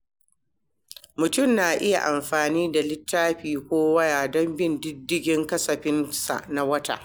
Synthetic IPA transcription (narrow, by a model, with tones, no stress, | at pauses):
mʊ˨tʊ˦˨mnaː˨ʔɪ˦ja̰˨ʔa˨mɸaː˨niː˦da˨lɪ˦tːaː˦ɸiː˨kʷoː˦wɐ˦jaː˨dɔ˦mbɪ˦ndɪ˦dːɪ˦ɡʲɪ˦ŋkɐ˦sɐ˨ɸɪ˦nsa̰˨ʔna˨˦wɐ˦ta̰˨ʔ